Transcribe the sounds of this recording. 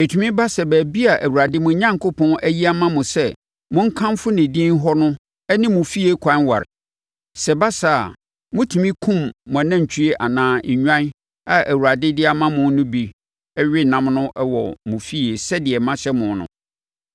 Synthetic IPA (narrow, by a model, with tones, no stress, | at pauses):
e˨tʰu˨mĩ˦ba˦sɛ˨bæː˨bi˦a˨ʔæ˨wu˨ɾa˨dɪ˦mʊ̃˨˦ɲã˦ŋkʰo˦pʰɔ̃˦næ˦ji˦a˦mã˦mʊ̃˨sɛ˦˨ | mʊ̃˦ŋ̩˦kʰã˦m˦fʊ˦nɪ̃˨dĩ˦n˦ɦɔ˦nʊ̃˦ | ɛ˦nɪ̃˦mʊ̃˨fi˦e˦kʰã˨˦nwa̰˨ɾɪ˨ | sɛ˨ba˦sa̰˨ | mʊ̃˦tʰu˨mĩ˦kʰũ˦mːʊ̃˨nã˦˨ɲ̩˨t͡ɕʰᶣi˦ɾe˦ʔa˨nãː˨˦˨ɲᶣ˦ã˦n | a˨ʔæ˨wu˨ɾa˨dɪ˦dɪ˦a˦mã˦mʊ̃˨n˦nʊ̃˦bi˨ | ɛ˦ɥᶣɪ˦nã˦mnʊ̃˦ʔwɔ̰˨mʊ̃˨fi˦e˨sɛ˦dɪ˨ɛ˨mã˦ɕɛ˦mʊ̃˨nʊ̰̃˨